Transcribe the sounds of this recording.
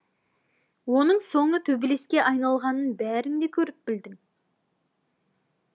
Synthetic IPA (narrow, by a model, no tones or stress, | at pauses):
wo̞nəɴso̞ɴət̪ʰɵbɪle̞skʲe̞ʔɑjnɑlˠʁɑnənbæɾɪŋd̪e̞kʲʰɵɾɪp̚bɪld̪ɪŋ